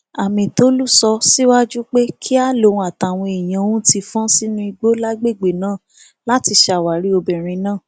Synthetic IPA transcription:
a˨mĩ˨to˦lu˦˨sɔ˧si˦wa˦d͡ʒu˦k͡pe˦kʰi˦a˦˨lõ˨˧a˨ta˨w̃ɔ̃˧e˨j̃ã˨˧wũ˦ti˧fɔ̃˦si˦nũ˦i˧ɡ͡bo˦la˦ɡ͡be˦˨ɡ͡be˨nãː˦˨ | la˦ti˧ʃa˧˨wa˨ɾi˨˦o˧bɛ˨ɾ̃ĩ˧nãː˦˨

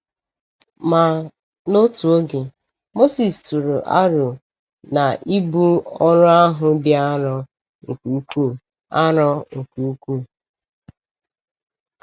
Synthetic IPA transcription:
ma˨ | no˦tu˨o˦ɡɪ˨ | mo˦si˨stu˨ɾu˨ʔa˦ɾʊ˨ | na˨ʔi˦bu˦ɔ˦ɾʊ˦a˦ɦʊ˨dɪ˦a˦ɾɔ˦ | ŋ̩˨ku˨u˦kʷu˦˨ | a˦ɾɔ˦ŋ̩˨ku˨u˦kʷu˦˨

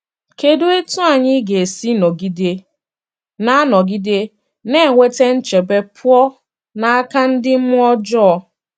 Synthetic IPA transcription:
ke˨do˦e˦tu˦a˨ɲɪ˦ɡe˨e˨si˦nɔ˨ɡi˦de˦ | na˦nɔ˨ɡi˦de˦ | ne˦˨ŋʷe˦te˦n̩˦t͡ʃe˨be˦pʰʊ˦ɔ˦ | na˦a˦ka˦n̩˦dɪ˦m̩˦mʊ˦ɔ˦d͡ʒɔ˦ɔ˨

